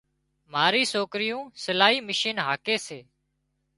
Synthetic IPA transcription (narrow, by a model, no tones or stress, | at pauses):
m̤aːɾiːsoːkɾɪjũːsəlaːɦiːmɪʃiːnɦaːkeːseː